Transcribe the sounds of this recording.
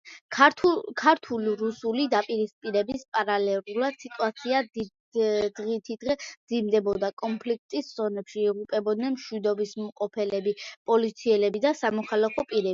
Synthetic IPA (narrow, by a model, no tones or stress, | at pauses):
kʰaɾt̪ʰuliɾusulid̪apʼiɾispʼiɾɛbispʼaɾalɛlulad̪̥sit̪ʼuat̪sʰiad̪i | d̪̥ʁit̪ʰid̪̥ʁɛd̪zimd̪ɛbɔd̪akʼɔnpʰlik̚ʰt̪ʼisz̥ɔnɛpʃiːʁupʼɛbɔd̪nɛnmʃwid̪ɔbismqʼɔpʰɛlɛbipʼɔlit̪sʰiɛlɛbid̪asamɔχʰalakʰɔpʼiɾɛbi